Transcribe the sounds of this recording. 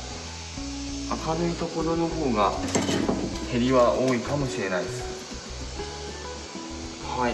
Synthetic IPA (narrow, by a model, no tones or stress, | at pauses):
akanɯit̪o̞ko̞ɾo̞no̞ɦo̞ːɡa | he̞ɾʲiβaʔoːikamo̞ɕiɾe̞naisɨ̥ | ha